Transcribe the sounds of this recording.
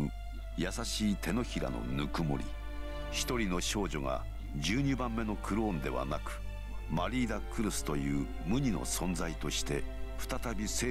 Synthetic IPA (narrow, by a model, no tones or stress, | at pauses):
jasaɕiːt̪ʰe̞no̞çiɾa̰no̞̰nɯkɯ̟mo̞̰ɾʲḭ | çi̥t̪o̞ɾʲino̞ɕo̞ːʑo̞ɡa̰ | d͡ʑɨːɲ̟ɨːbãmːe̞no̞kʰɯ̟ɾɯõnd̪e̞βa̰nakɯ̟̥ | maɾʲiːd̪akɯ̟ɾɯsɨ̥t̪o̞jɯ̟ː | mɯ̟ɲ̟ino̞̰sõ̞nzait̪o̞ɕi̥t̪e̞ɸɯ̥t̪at̪abʲiseː